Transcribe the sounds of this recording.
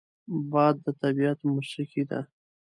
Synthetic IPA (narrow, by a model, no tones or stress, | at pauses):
bɑd̪ːət̪abiat̪muʃikid̪a̰